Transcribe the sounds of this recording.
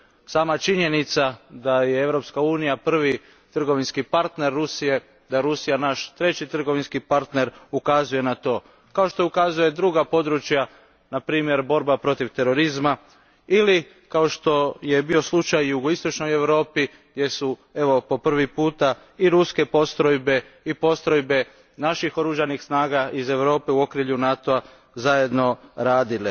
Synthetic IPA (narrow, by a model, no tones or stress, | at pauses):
saːmat͡ʃiɲe̞nit̪sad̪ajee̞ʋɾo̞pskauːnijapr̩ʋi | t̪r̩ɡo̞ʋinskipaɾt̪ne̞ɾːusije̞ | d̪ajeɾusijanaʃt̪ɾe̞t͡ɕit̪r̩ɡo̞ʋinskipaɾt̪ne̞ɾukazuje̞nat̪o̞ː | kao̞ʃt̪o̞ukazuje̞d̪ɾuɡapo̞d̪ɾut͡ʃja | napɾiːmje̞ɾbo̞ɾbapɾo̞t̪iʋt̪e̞ɾo̞ɾizma | ili | kao̞ʃt̪o̞je̞bio̞slˠut͡ʃajuɡoist̪o̞t͡ʃno̞je̞ʋɾo̞ːpi | jesue̞ʋo̞po̞pr̩ʋipuːt̪a | iɾuske̞po̞st̪ɾojbe̞ | ipo̞st̪ɾo̞jbe̞ | naʃixo̞ɾuʒanixsnaːɡaʔize̞ʋɾo̞ːpe̞uo̞kɾiʎunat̪oa | zaje̞d̪no̞ɾaːd̪ili